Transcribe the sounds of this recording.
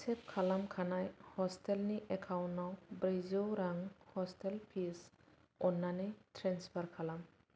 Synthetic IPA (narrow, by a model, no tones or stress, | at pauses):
sɛp̚kʰalamkʰanajhɔstɛlniʔɛkʰawnːawbɾezowɾaŋhɔstɛlpʰis | ɔnːanejtʰɾɛnspʰaɾkʰalam